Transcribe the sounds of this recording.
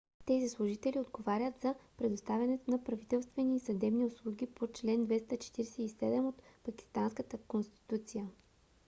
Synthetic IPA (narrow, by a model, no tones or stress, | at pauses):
t̪ɛzislˠʊʒit̪ɛliod̪ɡovaɾʲət̪zɐpɾɛd̪ʊst̪avʲjɐnɛt̪onɐpɾɐvit̪ɛlˠst̪vɛniːsɐd̪ɛbniʊslˠuɡʲipot͡ʃlɛnd̪vɛst̪ət͡ʃɛ̥t̪iɾɛsɛisɛd̪ɛmot̪pɐk̟ʲi̥st̪anskət̪əkonst̪i̥t̪ut̪sijə